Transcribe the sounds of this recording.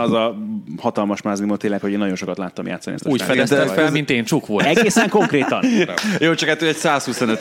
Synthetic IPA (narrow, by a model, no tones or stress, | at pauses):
ɒzɒhɒt̪ɒlmɒʃmaːznimoːlt̪ːeːlɛkho̞ɟeːnɒɟo̞nʃo̞kɒt̪laːt̪ːɒ̰mja̰ːt̪sːɒnḭɛ̰st̪ɔuːjfɛɛsɛfɛlmint̪eːnt͡ʃukʋolɛɡeːsɛŋko̞ŋkreːt̪ɒnjoːt͡ʃɒkhat̪ːoɛɟsaːshusonøt̪